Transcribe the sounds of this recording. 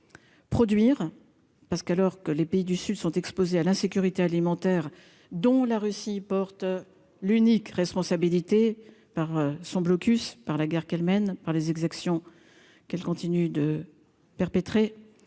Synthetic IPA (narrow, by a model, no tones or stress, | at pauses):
pχɔd̪ɥiʁ | paʁsə̥kalɔʁkəlepeid̪ysyd̪sɔ̃t̪ɛkspozealɛ̃sekʲyʁit̪ealimɑ̃t̪ɛʁ | d̪ɔ̃laʁysipɔʁt̪ | lynikʁɛspɔ̃sabilit̪e | paʁsɔ̃blɔkʲyspaʁlaɡɛʁkalmɛnpaʁlezɛɡzaksjɔ̃ | kɛlkɔ̃t̪inyd̪ə | pɛʁpet̪χe